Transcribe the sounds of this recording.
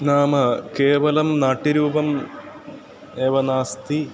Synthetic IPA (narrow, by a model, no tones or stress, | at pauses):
naːmɐkeːʋɐlɐmnaːʈːiɾuːbɐm | eːʋɐnaːst̪i